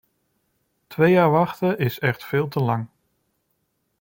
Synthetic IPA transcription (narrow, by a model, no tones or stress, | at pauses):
tʋejaːɹʋɑχtəɪsɛχtfɪːlˠtəlɑŋ